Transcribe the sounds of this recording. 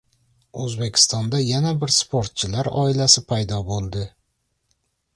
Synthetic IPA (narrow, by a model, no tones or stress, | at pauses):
ɵzbe̞kʲʰɪ̥st̪ɒnd̪ajanabɪɾspʰoɾt̪̚t͡ʃʰɪlaɾɒ̰ɪlasɪpʰajd̪ɒbolˠd̪ɪ